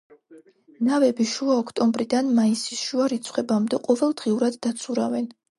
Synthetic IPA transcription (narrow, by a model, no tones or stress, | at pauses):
navɛbiʃuaɔkʰt̪ʼɔmbɾid̪anmaisisʃuaɾit̪sʰχwɛbamd̪ɛqʼɔvɛlˠd̪ʁiuɾad̪ːat̪sʰuɾa̰vɛn